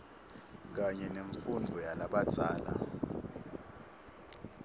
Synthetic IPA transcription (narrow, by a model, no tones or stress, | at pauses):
k̬aɲɛneɱfundʱɔjalaɓat͡sʼaːla̰